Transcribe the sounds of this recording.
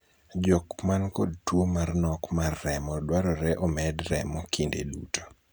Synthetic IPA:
d͡ʒɔkmankod̚twomarnɔkmarːɛmɔdwaɾɔɾɛʔɔmɛdɾɛmɔkʰindḛduto̥

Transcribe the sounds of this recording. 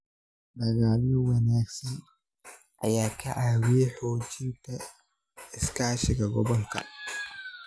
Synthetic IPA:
ɗɐɣaːlɪjɔwɐnaːɡsɐn | ʔɐ̰jaːkʰɐʔaːwɪɛħɔːt͡ʃɪnt̪ʰɐ | ɪskʰaːʃɪɡɐɡɔβɔŋkʰɐ̰

